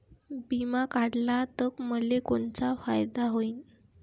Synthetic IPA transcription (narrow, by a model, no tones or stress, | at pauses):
bimakaɽlat̪əkməlekoɳt͡safajd̪aɦoiːn